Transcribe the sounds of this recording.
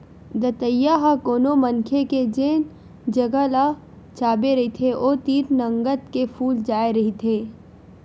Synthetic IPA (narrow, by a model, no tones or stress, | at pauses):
d̪ɐt̪əjaɦakoːnomɐnkʰeked͡ʒeːn | d͡ʒɐɡəla | t͡ʃaːbeɾɐɦit̪ʰeʔoːt̪iːɾnɐ̃ŋɡət̪kefʰuːld͡ʒaːeɾɐɦit̪ʰeː